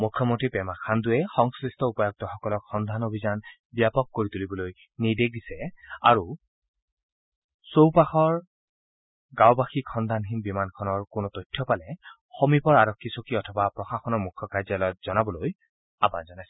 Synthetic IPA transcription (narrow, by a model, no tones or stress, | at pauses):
mukʰːjɔmontɹipɛmakʰanduɛxɔŋskɹistɔupɔjɔɡ̚tɔxɔkɔlɔkxɔnd̪ʱanobʱizan | bijapɔkːoɹit̪ulibɔloj | nidek̚disɛa̰ɹu | sowpaxɔɹ | ɡawbaxikxɔnd̪ʱanxinbimankʰɔnɔɹkʊnɔtɔjtʰːɔpalɛ | xomipɔɹaɹɔkʰːisokiɔtʰɔbapɹɔxaxɔnɔɹmukʰːɔkajzalɔjɔt̚z̥ɔnabɔloj | a̰ba̰zɔnajsɛ̥